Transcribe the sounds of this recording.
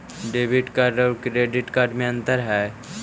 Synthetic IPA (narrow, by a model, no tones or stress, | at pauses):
ɖeːbɪʈkaɾɖɔɾkɾeːɖɪʈkaːɾɖmẽɐ̃nt̪əɾɦɛː